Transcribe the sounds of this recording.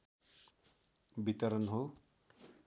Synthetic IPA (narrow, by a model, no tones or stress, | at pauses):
bit̪ʌɾʌnɦo